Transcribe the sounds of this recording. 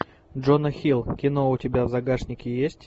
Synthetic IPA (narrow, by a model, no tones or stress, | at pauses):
dʐonəxʲilˠkʲɪno̞ʊtʲɪbʲavzɐɡaʂnʲɪkʲɪjesʲtʲ